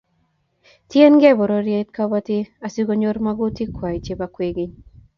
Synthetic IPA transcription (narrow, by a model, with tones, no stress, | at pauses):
t̪je˦nɡɛ˦bɔ˨ɾoɾjet̪kabat̪i˦a˨siɡo˦ɲo˦ɾmaɡu˦t̪i˦kʰwa˨jt͡ʃebakweɡɪɲ